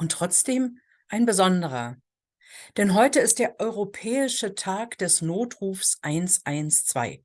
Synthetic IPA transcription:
ʔʊntːʁ̥ɔt͡sd̥eːm | ʔaɪnbəzɔndəʁ̞ɐ | d̥ɛnɦɔʏtəɪst̚d̥eːɐʔɔʏʁopʰɛːɪʃətʰaːkd̥ɛsnoːtʁ̥uːfsʔaɪnsʔaɪnst͡sv̥a̰ɪ

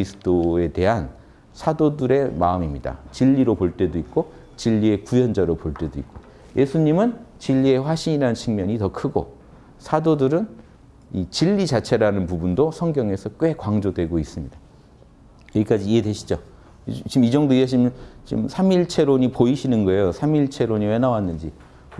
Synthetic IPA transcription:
isʰɯ̥t͈oe̞te̞ɦan | sʰadodɯɾe̞maɯmimɲida̰t͡ɕiʎːiɾopoɭt͈e̞doik̚k͈o | t͡ɕiʎːie̞kujʌnd͡ʑaɾopoɭt͈e̞doik̚k͈o | jʔe̞sʰuɲimɯnt͡ɕiʎːie̞ɸwaɕʰiɲiɾanɯnt͡ɕʰiŋmjʌɲitʌkʰɯɡo̰ | sʰadodɯɾɯn | it͡ɕiʎːit͡ɕat͡ɕʰe̞ɾanɯnpubundosʰʌŋɡjʌŋe̞sʰʌk͈we̞kwaŋd͡ʑodwe̞ɡois͈ɯmɲida | jeɡik͈ad͡ʑiːedweɕʰi̥d͡ʑo | t͡ɕimid͡ʑʌŋdoiʌt͡ɕimt͡ɕḭmsʰamiɭt͡ɕʰe̞ɾoɲipoiɕʰinɯnɡʌe̞josʰamiɭt͡ɕʰe̞ɾoɲiwe̞nawanːɯnd͡ʑi

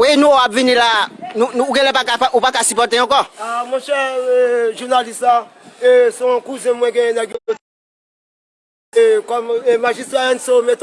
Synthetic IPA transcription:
winũoapvinĩlanũũːɡɛ̃lɛpakaaʔupakasypɔt̪ẽkɔamɔ̃ʃɛ | ʒuʁnalistaesɔ̃kuzɛ̃mwɛ̃ɡɛ̃jɛ̃d̪ãɡoo | ekɔmemãʒist̪ʁaɛ̃nsomɛt̪

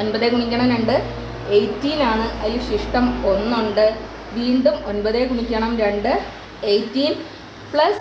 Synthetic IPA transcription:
o̞npɐðeːkuɳikʲːɐɳɐʋneɳɖɨ | ejtːiːnaːɳɨʔɐðiluɕiʂʈɐmo̞nːuɳɖɨ | ʋiːɳɖumo̞npɐðekuɳikʲːɐɳɐmɾeɳɖɨ | ejtːiːn | pɭɐs

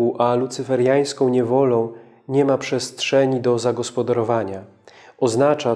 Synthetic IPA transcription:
uʔalut̪sɘfɛɾjaj̃skɔ̃w̃ɲɛvɔlɔ̃w̃ | ɲɛmapʂɛstʂɛɲid̪ɔzaɡɔspɔd̪aɾɔvaɲa | ɔznat͡ʂa

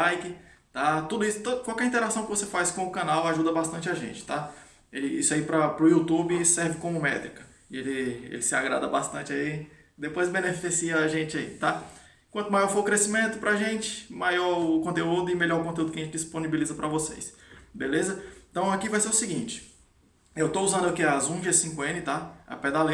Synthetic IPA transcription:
ajkɪt̪at̪ud̪ʊisʊ̥t̪okwawkɛɾĩt̪eɾasɐ̃w̃kɪvosefajskõʊkɐ̃nawaʒud̪ɐbast̪ɐ̃nt͡ʃɪaʒḛ̃nt͡ʃɪ̥t̪a | elɪisʊaipɾɐpɾʊut̪ubɪsɛɾvɪkõmʊmɛt̪ɾikɐ | ɪelɪḛlɪsɪaɡɾa̰d̪ɐbast̪ɐ̃t͡ʃɪai | d̪epojzbenefisiɐaʒẽt͡ʃɪaḭt̪a | kwɐ̃t̪ʊmajɔɾfoɾkɾesimẽnt̪ʊpɾɐʒẽt͡ʃɪ̥majɔɾkõnt̪̬eud̪ʊɪmeʎɔɾkõt̪eud̪ʊkɐʒẽt͡ʃd͡ʒisponibilizɐpɾɐvosḛjsbelezɐẽt̪ɐ̃w̃akivajseɾʊsiɡĩt͡ʃɪ̥ | ewt̪ouzɐ̃nd̪ʊakiɐzũʒesĩkʊẽnɪt̪aɐ̰ped̪ale

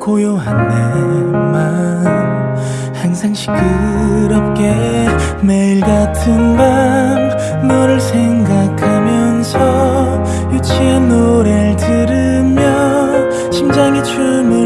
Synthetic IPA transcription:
kojoɦandema | haŋsʰaŋɕʰi̥kʰɯɾʌp̚k͈e̞ | meiɭɡatʰɯnbanː | ʌɾɯɭsʰeŋɡakʰamjʌnsʰʌ | jut͡ɕʰianːoɾeɭtɯɾɯ | mjʌ | ɕʰimd͡ʑaŋit͡ɕʰumi

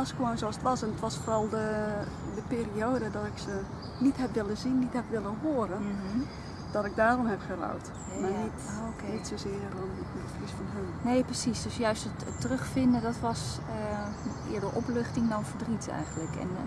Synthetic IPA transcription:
ɔskʋoːnsoɔsətʋɔsɛnətʋɔsforɔlˠdə | dəpɪːrioːdədɔtɪksə | nitɦɛpʋɪlˠəzinːithɛpʋɪlˠənɦoːəɾən | d̥ɔtɪɡ̚daːrɔmhɛpχəra̰wt | manitoknitsozɪərdɔn | əfrisfɔnənneːprəsisdøsjœɥstətətərøxfɪndədɔtʋɔs | ə | ɪ̰ːdəʔɔpløxtɪŋdɔnfərdritʰɛ̰jɣən̩tləkɛ̰n

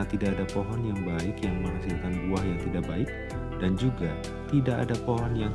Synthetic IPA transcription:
t̪idaʔːdapoɦɔnjaŋbaɪkjaŋməŋɦasɪlkanbuahjaŋt̪idaʔbaɪk̚ | d̥and͡ʒuɡa | t̪idaʔa̰dapoɦɔnjaŋ

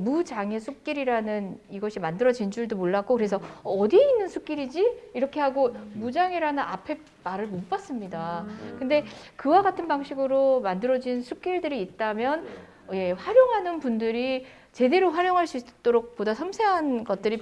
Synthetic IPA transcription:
mud͡ʑaŋe̞sʰuk̚k͈iɾiɾanɯniɡʌɕʰimandɯɾʌd͡ʑind͡ʑuɭdomoɭːak͈okɯɾe̞s̬ʰʌːdieinːɯnsʰuk͈iɾid͡ʑiiɾʌkʰe̞haɡomud͡ʑaŋeɾanɯna̰pʰe̞ | maɾɯɭmop͈as͈ɯmɲidakɯnde̞kɯwaɡatʰɯnbaŋɕʰiɡɯɾomandɯɾʌd͡ʑinsʰuk̚k͈iɭdɯɾiːt̚t͈amjʌn | ʌje̞ɸwaɾjoŋɦanɯnpundɯɾi | t͡ɕe̞de̞ɾoɸwaɾjoŋɦaɭs͈uit͈oɾok̚p͈odasʰʌmsʰeɦanɡʌt̚t͈ɯɾi

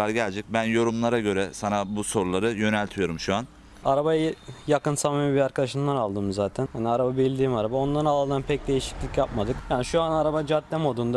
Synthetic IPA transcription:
aɾɟælʲd͡ʒɛc̚bænjo̞ɾumlˠaɾaɟø̞ɾɛsanabuso̞ɾulˠaɾɯjø̞nælʲt̪ʰijo̞ɾumʃuan | aɾabajajakɯnsamamibiɾaɾkad̪aʃɯmlˠanalˠd̪ɯmzaːt̪ʰænhaniaɾababid̪iːmaɾabao̞nlˠaɾɯnalˠd̪ɯːnpʰɛc̚d̪e̞jiʃi̥clʲicjapmad̪ɯkjaːniʃuanaɾabad͡ʒat̪lʲɛmod̪und̪a

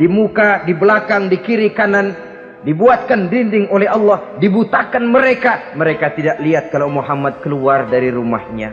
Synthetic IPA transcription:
dimukadibəlakaŋdikiɾikanan | dibuat̪̚kandindɪŋolɛɦɑlːɑhdibut̪akanməɾekaməɾekat̪idaʔ̚liat̪̚kalawmuɦamːat̪̚kəluardaɾiɾuma̰hɲa̰

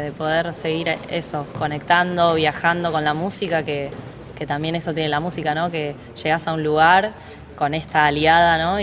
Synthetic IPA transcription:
ðepo̞ð̞e̞ɾse̞ɣiɾḛso̞ko̞ne̞kt̪and̪o̞βjaxand̪o̞ko̞nlamũsikake | ke̞t̪ambje̞ne̞so̞t̪jenelamũsikano̞ke̞ | ʃe̞ɣasaunluɣaɾ | ko̞ne̞st̪aːljaðanõ̞

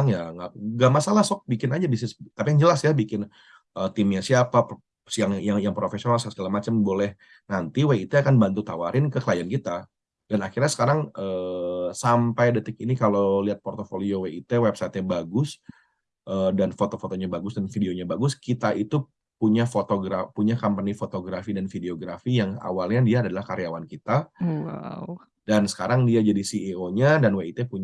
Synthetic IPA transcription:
ŋjaŋɡaʔɡaʔmasalahsɔk̚bikɪnad͡ʒabisnɪst̪apijaŋd͡ʒəlasjabikɪn | ət̪ɪmɲasiapa | jaŋjaŋjaŋpɾofesionalsasə̥kalamat͡ʃambolɛh | nant̪iweit̪eakanbant̪ut̪awaɾʔɪnkəkəlajankit̪a | danakirɲasə̥kaɾaŋəːsampajdət̪ɪk̚inikaloliat̪̚pɔrt̪ofolioweit̪ewɛp̚sat̪ɲabaɡʊs | ʔəːdanfot̪ofot̪oɲabaɡʊsdanfideoɲabaɡʊskit̪aʔit̪u | puɲafot̪oɡɾapuɲakampanifot̪oɡɾafidanfideoɡɾafijaŋa̰walɲadiaːdalahkaɾjawankit̪a̰ | dansə̥kaɾaŋdiad͡ʒadisiioɲadanweit̪epuɲ

